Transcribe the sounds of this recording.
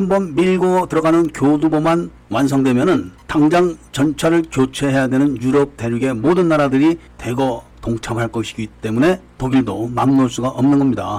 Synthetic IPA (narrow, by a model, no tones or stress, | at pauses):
hambʌnmiɭɡotɯɾʌɡanɯnkjoduboman | wans̬ʰʌŋdwe̞mjʌnɯntaŋd͡ʑaŋt͡ɕʌnt͡ɕʰaɾɯɭkjot͡ɕʰe̞ɦe̞jadwe̞nɯnjuɾʌp̚te̞ɾjuɡe̞modɯnːaɾadɯɾite̞ɡʌtoŋt͡ɕʰamɦaɭk͈ʌɕʰiɡit͈e̞mune̞toɡidomamːoɭs͈uɡaʔʌmnɯnɡʌmɲida̰